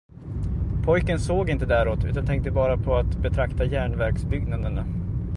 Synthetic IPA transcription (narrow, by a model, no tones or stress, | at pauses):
pʰɔjkənsoːɡɪnt̪əd̪æːɾoːt̪ʉ̟ːt̪ant̪ʰɛŋk̚t̪əbɑːɾapʰɔat̪bɛt̪ʰɾakt̪ajæːɳvæɾksbʏɡnad̪əna